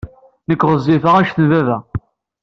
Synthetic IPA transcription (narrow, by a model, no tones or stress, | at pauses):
nəkːʁəzːɪfəʁæʃθənvævæ